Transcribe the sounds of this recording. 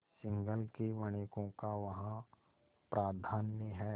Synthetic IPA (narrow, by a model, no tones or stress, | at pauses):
sɪ̃ŋɡəlkeʋɐɽ̃eːkõkaʋɐɦã | pɾʔaːd̪ʱaːnjəɦɛ